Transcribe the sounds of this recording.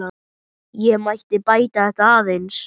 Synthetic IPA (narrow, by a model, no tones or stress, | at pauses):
a | jɛmaht̪ɪpaːjt̪aɛht̪aːðens